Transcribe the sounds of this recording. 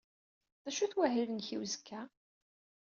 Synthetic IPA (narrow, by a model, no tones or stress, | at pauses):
ðæʃuθwæɦilənçiwzəkʰːæ